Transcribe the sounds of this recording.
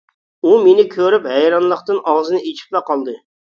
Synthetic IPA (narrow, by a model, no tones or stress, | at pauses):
umenɪkʲʰøɾypɦɛjɾɑnlˠəqt̪ɨnɑwzɨnɨet͡ʃʰi̥p̚lɛqɑlˠd̪ɨ